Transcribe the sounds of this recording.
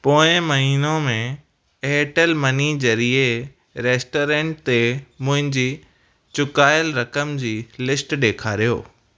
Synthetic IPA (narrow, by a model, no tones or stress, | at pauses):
poːɪ̃mɐɦiːnõmẽ | eːʈəlmɐnid͡ʑɐɾie | ɾeːsʈoːɾẽːɳʈ̚t̪emʊ̃ɦɪ̃ɲd͡ʑiː | t͡ɕʊkaːɪjəlɾɐkəmd͡ʑiːlɪsʈɗeːkʰaːɾijo̰ː